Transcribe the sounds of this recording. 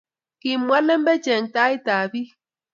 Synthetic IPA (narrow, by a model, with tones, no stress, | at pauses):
ki˨mːwa˦lɛ˦mbɛ˦t͡ʃɛ˨ŋta˦i˦ta˨bi˦